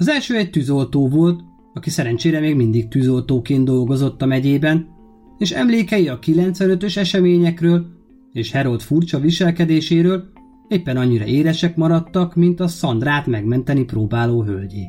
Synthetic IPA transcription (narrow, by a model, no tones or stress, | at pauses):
ɒzɛlʃøːɛc̚t̪yːzo̞lt̪oːvo̞lt̪ | ɒkisɛɾɛnt͡ʃeːɾɛmeːɡmind̪ik̚t̪yːzo̞lt̪oːkeːnd̪o̞lɡo̞zo̞t̪ːɒmɛɟeːbɛn | eːʃɛ̰mleːkɛjiɒkilɛnt̪sʋɛnø̞t̪øʃɛʃɛmeːɲɛkrøːl | eːʃhɛɾo̞lt̪furt͡ʃɒʋiʃɛlkɛd̪eːʃeːɾøːl | eːpːɛnɒɲːiɾɒ̰ʔeːɾɛʃɛkmɒɾɒt̪ːɒkmint̪ɒsɒnd̪raːt̪mɛɡmɛnt̪ɛniproːbaːloːɦølɟeː